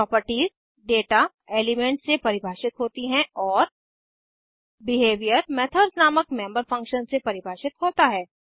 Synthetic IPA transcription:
pɾɔːpəɾʈiːz | ɖeːʈa | eːlɪmẽːɳʈsepɐɾɪbʱaːʃɪt̪ɦoːt̪iɦɛ̃ɔːɾ | bɪɦeːʋijəɾmɛːt̪ʰəːɾsnaːməkmɛ̃ːmbəɾfɐ̃ŋkʃənsepɐɾɪbʱaːʃɪt̪ɦoːt̪aɦɛː

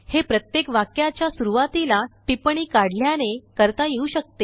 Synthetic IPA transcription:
hepɾət̪jekʋakjat͡ɕjasuɾuʋat̪ilaʈipɳ̃iːkaɽljanekəɾt̪ajeuːɕək̚t̪e

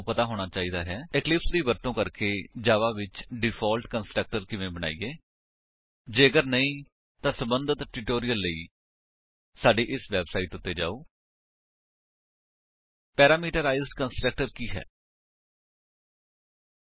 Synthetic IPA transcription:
pət̪aːɦoːɽ̃aːt͡ʃaːiːd̪aːɦɛːɪklɪpsd̪iːʋəɾt̪õːkəɾkeːd͡ʒaːʋaːʋɪt͡ʃɖɪpʰɔːlʈkənsʈɾək̚ʈəɾkɪʋẽːbəɽ̃a̰ːḭːeː | d͡ʒeːəɡəɾnəĩː | t̪ãːsəbənd̪ət̪ʈɪʈoːɾijəlːəiː | saːɖiːʔɪsʋɛːbsaːiːʈʊt̪ːeːd͡ʒa̰ːoː | pɛːɾaːmiːʈəɾaːizɖkənsʈɾək̚ʈəɾkiːɦɛ̰ː

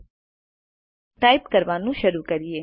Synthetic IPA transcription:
ʈaipkəɾʋanũʃəɾukəɾie

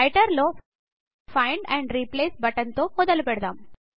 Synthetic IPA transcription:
ɪʈəɾloː | fãɪɳɖɛ̃ɳɖɾiːpleːsbɐʈə̃nt̪opod̪əlpeɽd̪ɐ̃m

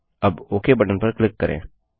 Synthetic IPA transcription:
ɐboːkʰebɐʈənpɐɾklɪkːəɾʔḛ̃ː

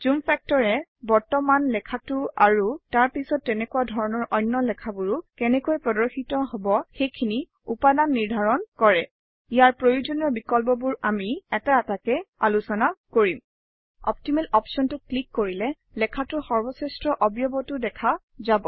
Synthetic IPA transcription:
zumpfʰɛk̚tɔɹɛbɔɹtɔmanlɛkʰatʊaɹutaɹpisɔtːɛnɛkuwadʱɔɹɔnɔɹʔɔjnːɔlɛkʰabuɹukɛnɛkojpɹɔdɔɹxitɔɦɔbɔxejkʰini | upadanːiɹdʱaɹɔnkɔɹɛ | ijaɹpɹojud͡ʒoniɔɹbikɔlp̬ɔbuɹamiɛtaatakɛalusɔnakoɹim | ɔ̰p̚timɛlɔpsɔntʊklikːoɹilɛ | lɛkʰatʊxɔɹbɔsɛstɹɔʔɔbjɔbɔtʊdɛkʰa | zabɔ

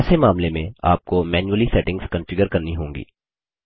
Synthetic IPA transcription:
semaːmlemẽa̰ːp̚komɛːnjuəlisɛːʈɪ̃ŋɡskɐ̃nfɪɡəɾkɐɾniɦõːŋɡḭː

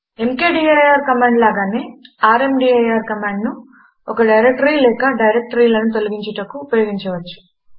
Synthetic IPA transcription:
e̞mkeːɖiːɐjaːɾkɐmaːɳɖlaːɡaːneːaːɾemɖiːɐjaːɾkɐmaːɳɖnu | ɔkɐɖɐjɾek̚ʈɐɾilɛːkɐɖɐjɾek̚ʈɐɾiːlɐnut̪o̞luɡiɲt͡ʃɐʈɐkːuːpɐjoːɡiɲt͡ʃɐʋɐt͡ʃːu̥

